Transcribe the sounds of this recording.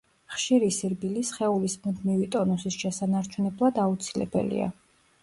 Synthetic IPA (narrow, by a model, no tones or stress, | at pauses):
χʃiɾisiɾbilisχɛulismund̪mivit̪ʼɔnɔsisʃɛsanaɾt͡ʃʰunɛblˠad̪aut̪sʰilɛ̰bɛ̰lḭa̰